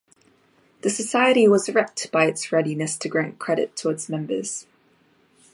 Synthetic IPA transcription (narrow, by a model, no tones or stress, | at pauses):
ðɨsəsaɪəɾiwɒzəɹɛk̚tb̥aɪɨtsɹɛɾinɨstʰɨɡɹæ̃nkʰɹ̥ɛɾɪ̰tʰːɔːɪtsmɛ̃mbəz̥